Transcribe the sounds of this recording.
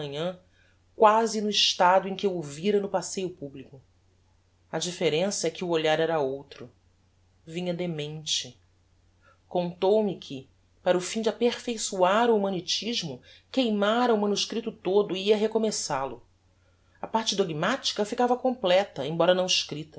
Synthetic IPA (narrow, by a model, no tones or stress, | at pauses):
ɲɐ̃ | kwazɪnʊɪʃt̪ad̪ʊẽkɪeoviɾɐnʊpasejʊpublikʊ | ɐd͡ʒifeɾẽsɐɛkɪʊoʎaɾɛɾɐowt̪ɾʊ | vĩɲɐd̪emẽt͡ʃɪ | kõnt̪owmɪkʰɪ | paɾʊfĩd͡ʒɪapeɾfejsuaɾʊumɐ̃nit͡ʃiʒmʊkejmaɾɐumɐ̃nuʃkɾit̪ʊt̪od̪ʊiɐɦekomesalʊ | ɐpaɾt͡ʃɪd̪oɡmat͡ʃi̥kɐfikavɐkõmplɛt̪ɐẽbɔɾɐnɐ̃w̃ɪʃkɾit̪ɐ